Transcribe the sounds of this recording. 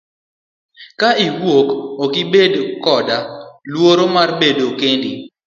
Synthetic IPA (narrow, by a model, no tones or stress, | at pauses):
kaiwwokokɪbedkɔdalwoɾomarbedokendi